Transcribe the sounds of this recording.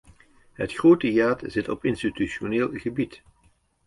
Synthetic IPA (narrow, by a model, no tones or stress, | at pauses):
ɦətχroːtəjaːtzɪtɔpɪnstityʃoneːlˠɣəbit